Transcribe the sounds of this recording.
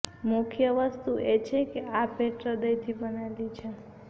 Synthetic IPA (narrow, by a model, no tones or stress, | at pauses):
mʊkʰjəʋəst̪uʔet͡ʃʰekeapeʈɾəd̪əjt̪ʰibənalit͡ʃʰe